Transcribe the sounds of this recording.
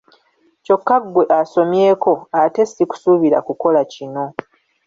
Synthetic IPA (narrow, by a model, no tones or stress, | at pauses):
co̞kːaɡwe̞ʔaso̞mje̞ːko̞ate̞siku̥suβiɾa̰kuko̞lacino̞